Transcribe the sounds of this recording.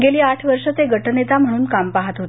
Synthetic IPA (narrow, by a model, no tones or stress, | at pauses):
ɡeliːaʈʰʋəɾʂət͡seɡʱəʈnet͡sam̤əɽuːnkampaɦat̪ɦot̪